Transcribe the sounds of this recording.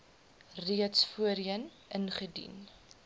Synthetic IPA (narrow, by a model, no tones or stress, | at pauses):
riətsfuəɾiən | ənχədḭn